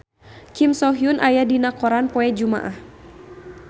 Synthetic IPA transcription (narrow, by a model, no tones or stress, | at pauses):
kimsɔɦjunʔajadinakɔɾanpɔɛd͡ʒuma̰ʔah